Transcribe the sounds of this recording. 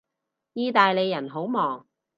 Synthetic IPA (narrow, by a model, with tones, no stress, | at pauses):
jiː˧t̪aː˨jle˨˧jːɐ˨˩nɦo˨˥wmɔː˨˩ŋ